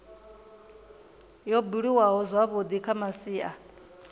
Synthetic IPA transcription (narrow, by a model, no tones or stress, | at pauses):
jɔbuɺiwaɦɔzwaβod̪ikʰamasiːʔa